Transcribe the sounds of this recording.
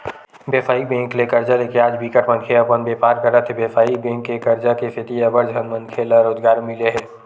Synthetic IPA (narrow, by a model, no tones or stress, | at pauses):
beːfʰaːibẽːŋkleːkəɾd͡ʒaleːkinaːd͡ʒbikəʈmə̃nkʰeɐpənbeːpaːɾkɐɾət̪ʰebeːfaːibẽːŋkːekɐɾd͡ʒakesɪt̪iɐʋəɾd͡ʒɦənmə̃nkʰeːlaɾoːd͡ʒɡaːɾmɪleɦɛː